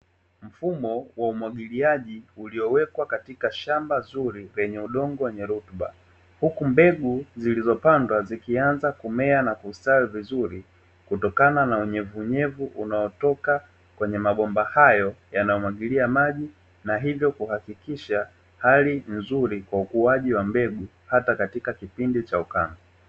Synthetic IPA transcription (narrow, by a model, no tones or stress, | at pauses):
m̩fumɔwaumwaɠiliaʄiuliɔwɛkwakatikaʃambazuɾilɛɲɛuɗɔŋɡɔwɛɲɛɾutɓa̰ | hukumbɛɠuzilizɔpandwazikianzakumɛanakustalivizuɾi | kutɔkananauɲɛvuɲɛvuʔunaɔtɔka | kwɛɲɛmaɓɔmbahajɔjanajɔmaɠiliamaʄi | naɦivjɔkuhakikiʃa | halinzuɾikwaukuaʄiwambɛɡu | hatakatikakipindit͡ʃauka̰mba